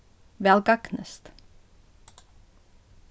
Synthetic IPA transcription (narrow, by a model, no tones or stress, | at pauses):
ʋɛlɡɑknəst̪